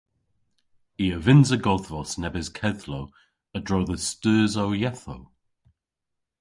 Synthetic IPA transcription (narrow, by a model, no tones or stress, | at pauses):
iːəvɪnzəɡɔðvɔsnɛbɪzkʰɛðlow | ədɹowðəstəːzowjɛθo̰w